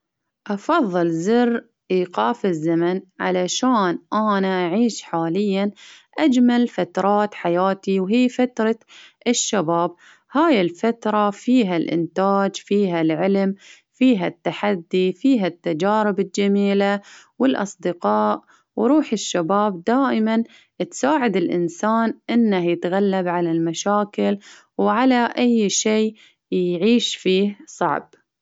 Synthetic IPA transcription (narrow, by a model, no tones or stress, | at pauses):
ʔɑfɑðˤːɨlzɪrː | ʔiːqɑːfɪzːamanʕa̰laʃaːnʔaːnaʔaʕiːʃħaːlɪjːanʔad͡ʒmalfat̪ɾˤɑːt̪ħajaːt̪iwɦiːfat̪ɾˤɑʔɪʃːabaːb | haːjɪlfat̪ɾˤɑfiːɦalʔɪ̰nt̪aːd͡ʒfiːɦalʕɪlm | fiːɦat̪ːaħad̪ːifiːɦat̪ːad͡ʒaːɾɪbɪld͡ʒamiːlawɪlʔɑ̰sˤd̪ɪqɑːʔ | wɾˤuːħɪʃːabaːb̚d̪aːʔɪman | t̪saːʕɪd̪ɪlʔɪ̰nsaːnʔɪnːahjɪt̪ɣalːabʕalalmaʃaːkɪl | wʕalaʔajːʃeː | jʕiːʃfiːhsˤɑ̰ʕb̥